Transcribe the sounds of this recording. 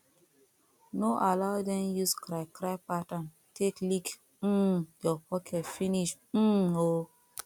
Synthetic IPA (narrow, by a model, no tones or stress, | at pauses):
noʔalaʊdɛ̃mjuskɾaɪkʰɾaɪpatãn | tʰeklik̩ | jɔpɔkʰɛtfiniʃ̩ | o